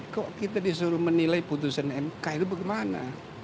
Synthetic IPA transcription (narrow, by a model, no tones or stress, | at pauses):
kɔʔkit̪adis̬uɾuhmənilaiput̪̬usanɛmkajlubaɡemana̰